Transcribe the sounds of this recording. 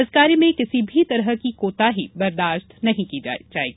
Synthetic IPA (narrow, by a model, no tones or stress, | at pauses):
əzkaːɾimẽkɪsibʱit̪ɐɾəɦkikoːt̪aɦibɐɾd̪aːʃt̪nɐɦĩkid͡ʒa̰d͡ʒaːḛːɡi